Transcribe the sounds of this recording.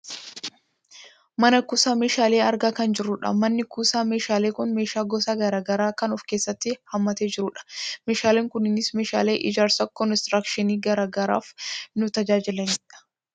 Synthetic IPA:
mɐnɐkuːsaːmeːʃaːle̞ːɐɾɡaːkɐnd͡ʒɪɾːʊᶑɐ̰mɐnːɪkuːsaːmeːʃaːleːkʊnmeːʃaːɡɔsaːɡɐɾaːɡɐɾaːkɐnɔfke̞ːsːɐt̪ːɪhɐmːɐt̪eːd͡ʒɪɾʊᶑɐ̥me̞ːʃaːleːŋkʊnɪnɪsmeːʃa̰ːle̞ːʔɪd͡ʒaːɾsɐkɔnst̪ɾakʃɪniːɡɐɾaːɡɐɾa̰ːfnʊt̪ɐd͡ʒaːd͡ʒɪlɐnᶑɐ̥

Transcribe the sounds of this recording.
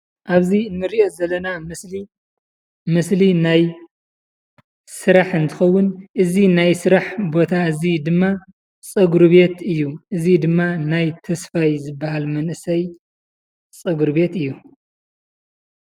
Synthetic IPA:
ʔaβziɨnːɨɾiʔo̞zɐlːɐnamɨsli | mɨslinaj | sɨɾaħɨnt̪ʰɨxɐwːʊnʔɨzinajsɨɾaħbo̞t̪ʰaɨzid̪ɨmːa | t͡sʼɐɡɾβe̞t̪ɨjːuʔɨzid̪ɨmːanajt̪ʰɐsfajzɨbːaɦalmɐnʔɨsɐj | t͡sʼɐɡuɾβe̞t̪ɨjːu

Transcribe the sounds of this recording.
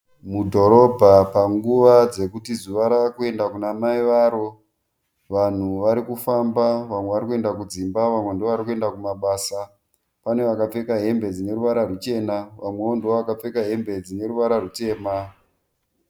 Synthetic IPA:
mudʱo̞ɾo̞bʱapaŋɡuʋad͡ze̞kutizuʋaɾakue̞ndakunamaiʋaːɾo̞ | ʋan̤uʋaɾikufambaʋamwe̞ʋaɾikue̞ndakud͡zimbaʋamwe̞ndoʋaɾikue̞ndakumaɓaːsa | pane̞ʋakap͡fe̞kaɦe̞mbe̞d͡zine̞ɾuʋaɾarut͡ʃe̞naʋamwe̞ondeoʋakap͡fe̞kaɦe̞mbe̞d͡zine̞ɾuʋaɾarute̞ːma

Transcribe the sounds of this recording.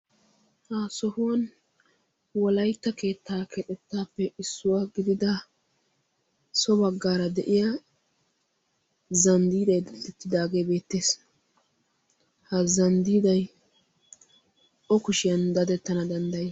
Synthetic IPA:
haːsɔhʊwɐn | wɔlɐjt̪ːɐke̞ːt̪ːaːkʰɛᶑɛt̪ːaːpːɛɪsːʊwaɡɪd̪ɪd̪ɐ | sɔbɐɡːaːɾɐd̪ɛʔɪjɐ | zɐnd̪iːd̪ɐjd̪ɐtːɛt̪ːɪd̪aːɡe̞ːbe̞ːt̪ːe̞ːs | hɐzɐnd̪iːd̪ɐj | ʔɔkʊʃɪjɐnd̪ɐd̪ɛt̪ːɐnɐd̪ɐnd̪ɐj

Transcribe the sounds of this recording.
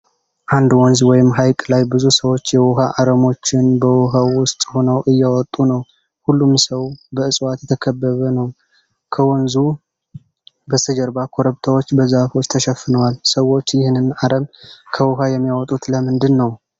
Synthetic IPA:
ʔand̪wɔnzwɔjɪmːɦajkʼlajbɨzusəwo̞t͡ʃːjɛwɔɦaʔaɾəmo̞t͡ʃːɪnbəwɔɦawʊst̪ʼho̞nəwʔɨjːɛwɔt̪ʼːunəw | hulːumsəwbəɨsʼwat̪jɛt̪ʰəkʰəbːəβənəw | kʰəwɔnzu | bəsʰəd͡ʒəɾbakʰo̞ɾəβt̪ʰawo̞t͡ʃːbəzafo̞t͡ʃːt̪ʰəʃɛfːɨnəwalsəwo̞t͡ʃːjɪhnɨnaɾəmkʰəwɔɦajɛmːijawɔt̪ʼut̪ləmɨnd̪ɨnːəw

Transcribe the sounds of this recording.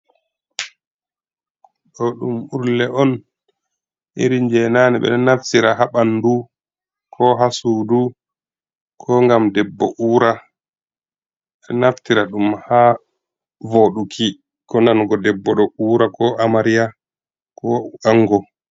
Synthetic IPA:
ɗɔɗumuɾlɛʔɔn | ʔiɾiɲd͡ʒɛnaːniɓɛ̰ɗɔnaftiɾaɦaɓanːdu | kʰɔɦasudu | kʰɔŋɡamdɛbːɔ̰ʔuːɾa | ɓɛnaftiɾaɗumha | voɗukʰi | kɔndanɡɔdɛbːɔɗɔuːɾakɔamaɾija | kɔaŋɡɔ

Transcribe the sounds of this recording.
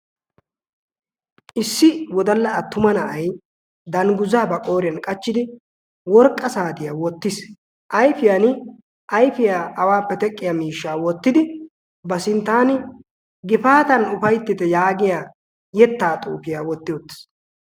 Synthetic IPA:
ʔɪsːɪwɔd̪ɐlːɐɐt̪ːʊmɐnɐʔɐj | d̪ɐŋɡʊzaːbɐkʼo̞ːɾɪjɐnkʼɐt͡ʃːɪd̪ɪ | wɔɾkʼːɐsaːt̪ɪjawɔt̪ːɪs | ʔɐjfɪjan | ʔɐjfɪjaːɐwaːpːɛt̪ɛkʼːɪjamiːʃːaːwɔt̪ːɪd̪ɪ | bɐsɪnt̪ːaːnɪ | ɡɪfaːt̪ɐnʊfɐjt̪ːɪt̪ɛjaːɡɪjaː | jɛt̪ːaːt̪ʼṵːfɪjaːwɔt̪ːɪjɔt̪ːɪ̥s

